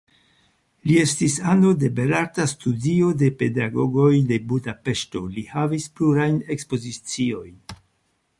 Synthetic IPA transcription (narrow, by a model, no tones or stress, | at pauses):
lie̞stisanode̞be̞laɾtastudio̞de̞pe̞daɡo̞ɡo̞jde̞budape̞ʃto̞̰lihavispluɾajne̞kspo̞zit͡sio̞jn